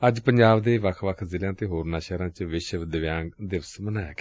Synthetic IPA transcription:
əd͡ʒpəɲd͡ʒaːbd̪eːʋəkʰʋəkʰzɪljãːt̪eːɦoːɾnãːʃɛːɾãːt͡ʃʋɪʃʋd̪əʋjãːɡd̪ɪʋəsmənaːakː

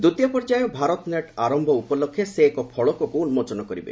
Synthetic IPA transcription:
d̪ut̪ijɔpɔɾd͡ʒajɔbʱaɾɔt̪neʈaɾɔmbʱɔupɔlɔkʰːjeseːkɔpʰɔɭɔkɔkuunmɔt͡ʃɔnɔkɔɾibḛ

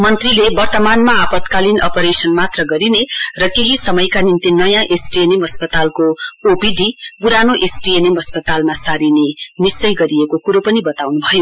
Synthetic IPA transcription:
mʌnt̪rilebʌrt̪ʌmanmaapʌt̪kalinʌ̰pʌɾesʌnmat̪rʌɡʌɾinerʌkeɦisʌmʌjkanint̪inʌjãʔesʈienemɦʌspʌt̪alkoopiɖipuɾanoʔesʈienemʌspʌt̪almasaɾinenisʌjɡʌɾiekokuɾopʌnibʌt̪awnubʱʌjo

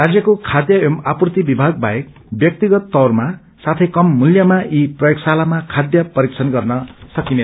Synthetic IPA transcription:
rad͡zjʌkokʰad̪jʌemaprut̪ibibʱaɡ̚bʱa̰jek̚ | bjʌk̚t̪iɡʌt̪ːʌrma | sat̪ʰʌjkʌmːuljʌmaʔiprʌjoksalamakʰad̪jʌpʌɾikt͡sʰʌnɡʌrnʌsʌkine

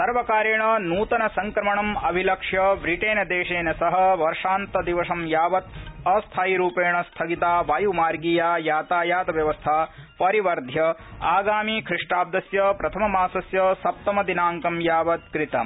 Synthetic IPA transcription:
sɐɾʋɐkaːɾjɐɳɐnuːt̪ɐnɐsɐŋkɾɐmɐɳɐmɐbʱilɐkʂjɐʋɾiʈeːnɐd̪eːʂeːnɐsɐɦɐ̆ʋɐɾʂaːnt̪ɐd̪iʋɐʂɐmjaːʋɐt̪̚ɐst̪ʰaːjiɾuːpeːɳɐst̪ʰɐɡit̪aːʋaːjumaːɾɡiːjaːjaːt̪aːjaːt̪ɐʋjɐʋɐst̪ʰaːpɐɾiʋɐɾd̪ʱjɐaːɡaːmikʰɾiʂʈaːb̚d̪ɐsjɐpɾɐt̪ʰɐmɐmaːsɐsjɐsɐp̚t̪ɐmɐd̪inaːŋkɐmjaːʋɐt̪̚kɾit̪ɐ

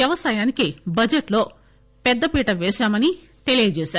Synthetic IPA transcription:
ɐʋɐsaːjaːnikibɐd͡ʒeʈlo̞ː | pɛd̪ːɐpiːʈɐʋɛːʃaːmɐni | t̪e̞lijɐd͡ʒeːʃaːɾu

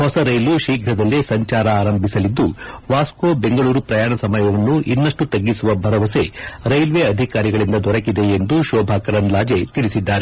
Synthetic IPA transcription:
hɔsɐɾɐjluʃiːɡʱɾɐd̪ɐlːesɐɲt͡ʃaːɾɐaːɾɐmbʱisɐlid̪ːuʋaːskoːbe̞ŋɡɐɭuːɾupɾɐjaːɳɐsɐmɐjɐʋɐnːuʔinːɐʂʈut̪ɐɡːisuʋɐbʱɐɾɐʋɐse̞ɾɐjlʋe̞ɐd̪ʱikaːɾiɡɐɭind̪ɐd̪ɔɾɐkid̪e̞ːnd̪uʃɔːbʱaːkɐɾɐnlaːd͡ʒet̪iɭisid̪ːaːɾe

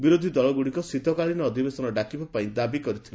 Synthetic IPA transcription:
biɾod̪ʱid̪ɔɭɔɡuɽikɔsit̪ɔkaɭinɔːd̪ʱibesɔnɔɖakibapaĩd̪abikɔɾit̪ʰila

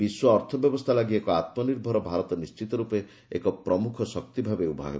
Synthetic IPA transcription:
biswɔːɾt̪ʰɔbjɔbɔst̪ʰalaɡiekɔat̪̚mɔniɾbʱɔɾɔbʱaɾɔt̪ɔnist͡ʃit̪ɔɾupe | ekɔpɾɔmukʰɔsɔk̚t̪ibʱabeubʱa̰ɡ̰

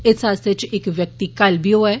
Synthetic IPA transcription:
ɪsaːst̪et͡ʃɪkʋjək̚t̪iːkəlbʱiːoːɛː

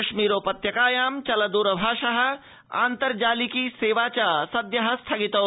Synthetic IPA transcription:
ɐʃmiːɾoːpɐt̪jɐkaːjaːmt͡ʃɐlɐd̪uːɾəbʱaːʃɐɦɐ̆ | a̰ːnt̪ɐɾd͡ʒaːlikiseːʋaːt͡ʃaːsɐd̪jɐɦɐ̆st̪ʰɐɡit̪ɐː

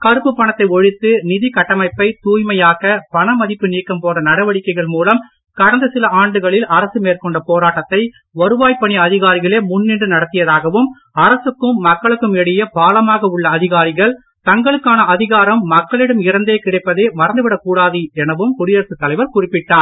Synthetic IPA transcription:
kɐɾɯpːɯpːɐɳɐt̪ːɐɪɔɻɪt̪ːɯnɪðikɐʈːɐmɐɪpːɐɪt̪uːjmɐjaːɣɐpɐɳɐmɐðɪpːɯniːkːɐmpoːrɐnɐɽɐʋɐɽɪkːɐɪɣɐɭmuːlɐm | kɐɽɐnd̪ɐsɪlɐaːɳɖɯɣɐɭɪlɐɾɐsɯmeːrkɔɳɖɐpoːɾaːʈːɐt̪ːɐɪ | ɐɾɯʋaːjpːɐɳɪjɐɐðɪɣaːɾɪɣɐɭeːmʊnːɪɳɖɯnɐɽɐt̪ːɪjɐðaːɣɐʋɯm | ɐɾɐsɯkːɯmːɐkːɐɭɯkːɯmɛɽɪjɐpaːlɐmaːɣɐʊɭːɐːðɪɣaːɾɪɣɐɭ | t̪ɐŋɡɐɭɯkːaːnɐɐðɪɣaːɾɐmːɐkːɐɭɪɽɐmɪɾɐnd̪eːkɪɽɐɪpːɐðeːmɐɾɐnd̪ɯʋɪɽɐkuːɽaːðɯɛnɐʋɯmkʊɽɪjɐɾsɯt̪ːɐlɐɪʋɐɾkʊrɪpːɪʈːaːn

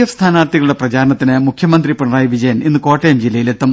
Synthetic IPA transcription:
ɐʋst̪ʰaːnaːrt̪iɣɐɭuɽeprɐt͡ɕaːɾɐɳɐt̪ːinɨmukʰjɐmɐnd̪ripeɳɐraːjiʋid͡ʑɐjɐninːɨko̞ːʈːejɐmd͡ʑilːɐjilet̪ːɐm

